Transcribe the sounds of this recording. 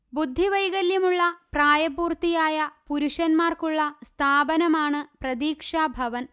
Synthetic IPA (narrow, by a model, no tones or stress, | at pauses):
bud̪ʱːiʋɐjɣɐljumuɭːɐpraːjɐbuːrt̪ijaːjɐpuɾuʂɐnmaːrkuɭːɐst̪ʰaːbɐnɐmaːɳɨprɐd̪iːkʂaːbʱɐʋɐn